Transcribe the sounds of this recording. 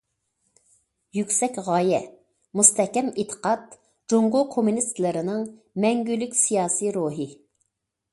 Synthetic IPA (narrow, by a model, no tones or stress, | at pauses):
jykʲsɛkʲʁɑːjɛ | must̪ɛhkʲɛmet̪ʰə̥qɑt̪̚ | d͡ʒoŋʁʊkʰomunist̪lɪɾɪnɨŋ | mɛŋɡʲylykʲsijɑːsiɾoːɦɨ